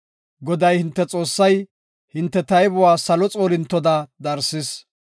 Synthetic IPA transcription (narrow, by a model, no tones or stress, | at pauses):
ɡɔd̪ɐjhɪnt̪ːɛt͡sʼo̞ːsːɐj | hɪnt̪ːɛt̪ɐjbʊwaːsɐlɔt͡sʼo̞ːlɪnt̪ːɔd̪ad̪ɐɾsɪs